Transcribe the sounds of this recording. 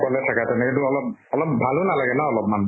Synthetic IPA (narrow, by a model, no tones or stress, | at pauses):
kɔlɛtʰakatɛnɛkintuɔlɔp̚ɔlɔp̚ːbʱalʊnalaɡɛnaɔlɔp̚man